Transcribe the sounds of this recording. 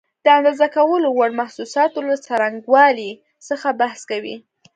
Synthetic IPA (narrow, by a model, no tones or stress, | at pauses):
d̪̥əand̪ɑzakawəlowaɽmahsusɑt̪olat͡saɾaŋɡwɑli | səxabahskawḭ